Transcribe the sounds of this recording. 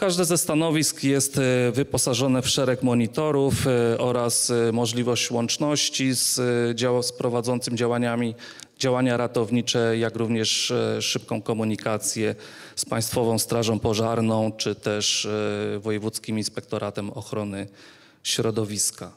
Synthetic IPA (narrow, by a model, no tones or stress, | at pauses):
kaʐd̪ɛzɛst̪anɔvʲiskjɛst̪vɘpɔsaʐɔnɛfʂɛɾɛkmɔɲit̪ɔɾufɔɾasmɔʐlʲivɔɕt͡ɕwɔnt͡ʂnɔɕt͡ɕizd͡ʑaspɾɔvad̪zɔnt̪sɘmʲid͡ʑawaɲamʲi | d͡ʑawaɲaɾat̪ɔvɲit͡ʂɛjakɾuvɲɛʂːɘpkɔ̃w̃kɔmuɲikat̪sʲjɛ | spaj̃st̪fɔvɔ̃w̃st̪ɾaʐɔ̃w̃pɔʐaɾnɔ̃w̃t͡ʂɘt̪ɛʂ | vɔjɛvut̪skʲiminspɛk̚t̪ɔɾʔat̪ɛmɔxɾɔnɘ | ɕɾɔd̪ɔvʲiska